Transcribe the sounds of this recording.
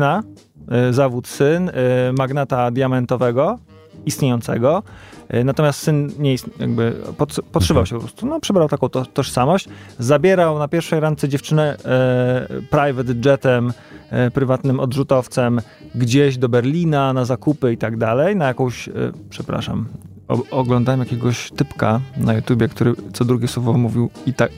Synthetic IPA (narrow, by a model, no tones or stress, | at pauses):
na | zavut̪sɘnmaɡnat̪ad̪jamɛnt̪ɔvɛɡɔ | ist̪ɲejɔnt̪sɛ̰ɡɔnat̪ɔmʲjast̪sɘnɲɛist̪ja̰ɡ̚bɘ̰pɔtpɔtʂɨvawɕɛpɔpɾɔst̪unɔpʂɛbɾawt̪akɔ̃w̪̃t̪ɔʂsamɔɕt͡ɕzabʲjɛɾawnapʲjɛɾfʂɛjɾant̪sɛd͡ʑɛft͡ʂɘnɛ | pɾajvɛd̪d͡ʐɛt̪ɛm | pɾɘvat̪nɘmɔd̪ʐut̪ɔft̪sɛm | ɡd͡ʑeʑd̪ɔbɛɾlʲinanazakupɘit̪aɡd̪alɛjnajakɔ̃w̃ɕpʂɛpɾa̰ʂa̰m | ɔ̰ɔɡlɔnd̪awɛmjakʲɛɡɔɕt̪ɘpkanajut̪ʲjubʲjɛkt̪uɾɘt̪sɔd̪ɾuɡʲɛswɔvɔmuvʲiwit̪ak